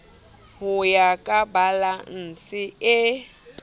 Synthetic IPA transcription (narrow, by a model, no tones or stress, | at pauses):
hʊjakʼabalan̩sʼɪɪ